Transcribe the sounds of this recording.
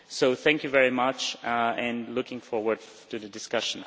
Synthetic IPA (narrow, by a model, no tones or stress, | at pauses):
soʊθæ̃ŋkjɨvɛɹimʌt͡ʃɨ̃nlʊkɪ̃ŋfɔɹwə˞d̚ | tʰɨðɨdɨskʌʃn̩